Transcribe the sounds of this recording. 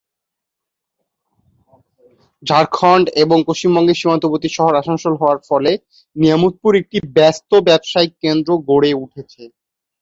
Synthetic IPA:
d͡ʑʱaɾkʰɔɳɖeboŋpoʃt͡ɕimbɔŋɡeɾʃim̤ant̪opot̪iʃɔɦoɾaʃoŋʃolɦɔoaɾfɔle | niamut̪̚puɾek̚ʈibɛst̪obɛbʃaikend̪ɾoɡoɽeuʈʰet͡ɕʰe

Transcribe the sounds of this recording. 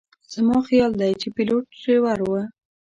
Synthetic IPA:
z̥mɑxijɑld̪ajt͡ʃepiloʈ̚sewaɾwə

